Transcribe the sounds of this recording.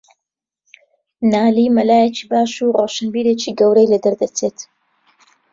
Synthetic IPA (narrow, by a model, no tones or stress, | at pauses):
naːliːmɐlaːjet͡ʃi̥ːbaːʃuroːʃənbiːɾet͡ʃiːɡɐwɾejlɐd̪ɐɾd̪ɐt͡seːt̪